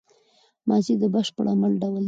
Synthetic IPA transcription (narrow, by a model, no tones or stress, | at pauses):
mɑzid̪əbəʃpəɽa̰malɖawl